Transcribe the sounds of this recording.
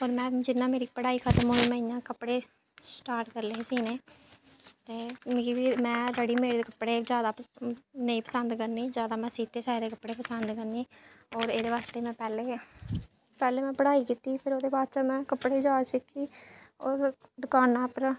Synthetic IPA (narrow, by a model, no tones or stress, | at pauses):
oːɾmɛ̃ːd͡ʒɪnãːmeːɾiːpəɽaːiːkʰət̪əmɦoːiːmɛ̃ːɪjãːkəpːɽeː | sʈaːɾʈkəɾleːsiːneː | t̪eːmiːʋiːmɛ̃ːɾəɽiːmeːɽd̪eːkəpːɽeːzjaːd̪aːnəiːpəsənd̪kəɾniːd͡ʒjaːd̪aːmɛ̃ːsiːt̪eːsaːeːd̪eːkəpːɽeːpəsənd̪kəɾniːɔːɾeːd̪eːʋaːst̪eːmɛ̃ːpɛːleː | pɛːleːmɛ̃ːpəɽaːiːkiːt̪iːpʰɪɾoːd̪eːbaːd̪t͡ʃaːmɛ̃ːkəpɽeːd͡ʒaːsɪkʰːiːɔːɾd̪ʊkaːnaːpɾ